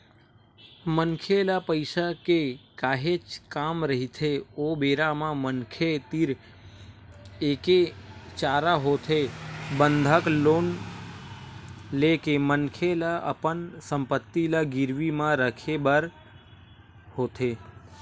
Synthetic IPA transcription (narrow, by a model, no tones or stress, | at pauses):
mənkʰelapəɪsakekaːɦet͡ʃkaːmɾəɦit̪ʰeobeːɾamãmənkʰet̪iɾ | eːket͡ʃaːɾaɦoːt̪ʰebə̃nd̪ʱəkloːn | lekemənkʰelaə̰pənsə̃mpət̪ːilaɡɪɾʋimãɾəkʰebəɾ | hoːt̪ʰe